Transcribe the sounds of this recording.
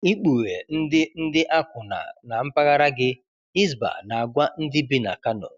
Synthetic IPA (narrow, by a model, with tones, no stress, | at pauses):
i˦k͡pu˨ɣe˨n̩˦dɪ˦n̩˦dɪ˦ʔa˦kʊ˨na̰˨na˨m̩˦pa˦ɣa˦ɾa˦ɡɪ˦ | i˦zba̰˨na˨a˨ɡʷa˦n̩˦dɪ˦bi˦na̰˨ka˦no̰˨